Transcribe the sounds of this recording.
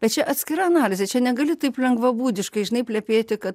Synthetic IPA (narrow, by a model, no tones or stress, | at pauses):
b̥ʲɛt̪̚t͡ʃʲɛʔɐt̪sʲkʲɪɾɐɐnɑːlʲɪzʲɛt͡ʃʲɛnʲɛɡɐlʲɪt̪ɐɪplʲɛŋɡʋɐbuːd̪ʲɪʃkɐɪʒʲɪnɐɪpʲlʲɛpʲeːt̪ʲɪkɐt